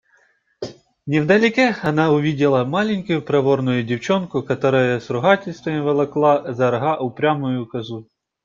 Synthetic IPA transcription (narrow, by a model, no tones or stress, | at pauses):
nʲɛwd̪ɐlʲɪkɛɐnɑʊʋʲidʲɪlˠɐmɑlʲɪnʲkʊjʊpɾɐʋɔrnʊjʊdʲiwt͡ʃɔnkʊkɐt̪ɔɾɐjɐsɾʊɦɑtʲɪlʲst̪ʋɐmɪʋelˠɐklˠɑzɐɾɐɦɑʔʊpɾʲamʊjʊkɐzu